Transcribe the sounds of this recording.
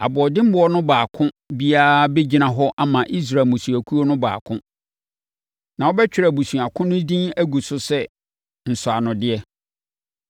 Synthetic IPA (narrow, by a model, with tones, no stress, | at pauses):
a̰˨bʊ˨ɔ˨dɪ̃˦m̩˦bʊ˦ɔ˦nʊ̃˦baː˨kʰʊ̃˦ | bi˦a˦be˦d͡ʑi˨nã˨ɦɔ˦ʔa˦mã˨ʔi˦s̬ɾa˨mʊ̃˨su˨æ˨kʰu˦o˦nʊ̃˦ba̰ː˨kʰʊ̃˦ | nã˨wɔ˦bɛ˦t͡ɕᶣɪ˦ɾa˨bu˨sũ˨a˨kʰʊ̃˦nʊ̃˦dĩ˦næ˦ɡu˨sʊ˦sɛ˦ | n̩˨sʊ˨a˨nʊ̃˨dɪ˦ɛ˦